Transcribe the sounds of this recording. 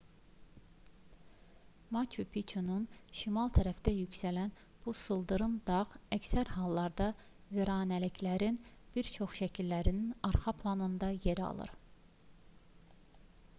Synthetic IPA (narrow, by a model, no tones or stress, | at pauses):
mɑt͡ʃʰupʰit͡ʃʰununʃimɑlˠt̪ʰæɾæfd̪æjycsælæn | b̥usɯlˠd̪ɯɾɯnd̪ɑʁæcsæɾɦɑlˠːɑɾd̪ɑ | ve̞ɾɑːnælicʰlæɾinb̥iɾt͡ʃʰo̞χʃæcʰilːæɾininɑɾχɑpʰlˠɑnɯnd̪ɑje̞ɾiɑ̰lˠɯ̰ɾ